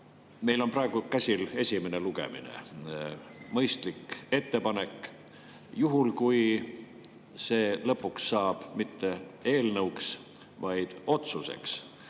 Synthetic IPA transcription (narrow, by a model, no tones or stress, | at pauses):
me̞jlo̞nprɑe̞ɡ̥ukæsʲile̞sʲimene̞luɡ̥e̞̰mḭnḛ | mɤjst̪like̞t̪ːe̞pɑne̞kˑ | juɦulkuj | se̞ːlɤpːˑuksːɑːb̥mit̪ːe̞e̞ːlnɤuks | vɑjd̪̥o̞t̪suse̞̰ks